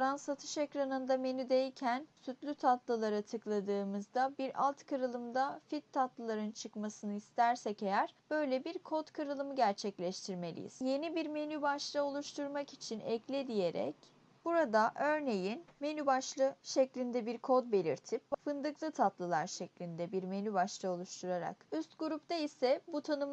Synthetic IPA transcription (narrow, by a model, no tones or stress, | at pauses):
ɾansat̪ʰɯ̥ʃekɾanɯnd̪ame̞nyd̪ejcʰænsyt̪lʲyt̪ʰat̪lˠɯlˠaɾat̪ʰɯklˠad̪ɯːmɯzd̪abiɾa̰lˠt̪kʰɯɾɯlˠɯmd̪afit̪ʰːat̪lˠɯlˠaɾɯnt͡ʃʰɯkmasɯnɯist̪ʰæɾsɛcejæɾb̥ø̞jlʲɛbiɾkʰot̪kʰɯɾɯlˠɯmɯɟæɾt͡ʃʰɛclʲɛʃt̪ʰiɾme̞lʲḭjḭz̥je̞nibiɾme̞nybaʃlˠɯo̞lˠuʃt̪ʰuɾmakit͡ʃʰinɛclʲɛd̪ije̞ɾɛ̰c | b̥uɾad̪aʔø̞ɾne̞jinme̞nybaʃlˠɯʃɛclʲind̪ɛbiɾkʰo̞d̪̚be̞lʲḭɾt̪ʰip̚fɯnd̪ɯklˠɯt̪ʰat̪lˠɯlˠaɾʃɛclʲind̪ɛbiɾme̞nybaʃlˠɯo̞lˠuʃt̪ʰuɾaɾa̰kyst̪ɡuɾupd̪aisɛbut̪ʰanɯm